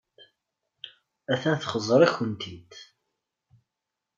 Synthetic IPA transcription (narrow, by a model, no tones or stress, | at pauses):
æθænθχəzˤɾˤæçənt̪ʰid̪